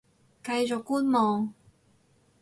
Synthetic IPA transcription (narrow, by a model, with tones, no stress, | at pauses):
kɐ˧jt͡ʃɔː˨˩kːuː˥nmɔː˨ŋ